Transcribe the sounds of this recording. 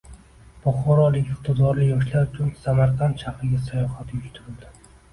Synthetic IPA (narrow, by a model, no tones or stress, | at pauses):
b̥ɒχɒɾɒlɪkʲɪq̚t̪ʰɪzɒɾlɪjɒʃlaɾʊt͡ʃʰʊnsamaɾqʰant̪ʃʰafɪɡʲasajɒhat̪ʰɪjʊʃt̪ʰʊɾɪld̪ɪ